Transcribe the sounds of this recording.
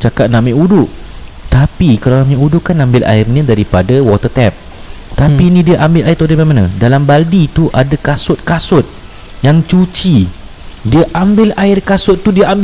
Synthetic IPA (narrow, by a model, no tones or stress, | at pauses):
t͡ʃakat̪̚nãmɪʔudʊʔ | t̪apikalawnamĩʔudʊʔkanãmbɪlʔa̰ɪrnidaɾipadawɔt̪ət̪ɛp̚ | t̪apiːnĩdiaʔambɪlajirt̪udamamanã̰dalambaldit̪uʔadakasʊt̪̚kasʊt̪̚ | jaŋt͡ʃut͡ʃi | diaʔambɪlaɪrkasʊt̪ːudiaamb